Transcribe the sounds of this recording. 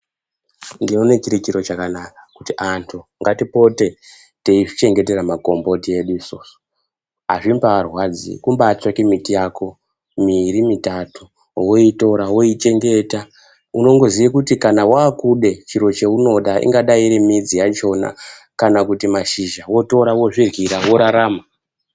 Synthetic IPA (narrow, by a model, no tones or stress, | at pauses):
ndinoune̞t͡ʃiɾit͡ʃiɾo̞t͡ʃakanakakutiʔantʰuŋɡatipo̞te̞ | teiʐit͡ʃe̞ŋɡe̞te̞ramako̞mbo̞tie̞ɗuisoːso̥ | a̰ʐimbaarwad͡zḭkumbaːt͡swakimitijako̞ | miɾimitatu | woito̞ɾawo̞it͡ʃe̞ŋɡe̞ta | uno̞ŋɡo̞ziʋakutikanawaːkuɗe̞t͡ʃiɾo̞t͡ʃe̞uno̞ɗaʔḭŋɡaɗaiɾimid͡zijat͡ʃo̞na̰ | kanakutimaʃiʒawo̞to̞ɾawo̞ʐirɣiɾawo̞ɾaɾaːma